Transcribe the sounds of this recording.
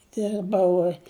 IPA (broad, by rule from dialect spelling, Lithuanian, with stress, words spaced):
ˈdʲɪrbɐʊ